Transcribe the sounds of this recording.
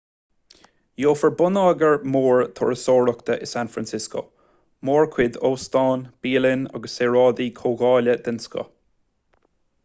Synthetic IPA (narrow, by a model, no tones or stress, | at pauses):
joːfəɹbʊnɑːɡəɹmoːɹt̪ʰʊ̰ɹəsoːɹʊkt̪əʔɪsanfɹansɪsko̰ | moːɹkʰwɪd̪oːst̪ɑːnb̥iːlɪnɑ̰ɡəseːɹɑːd̪ikʰoːɣɑːlʲəd̪ɪnsko̰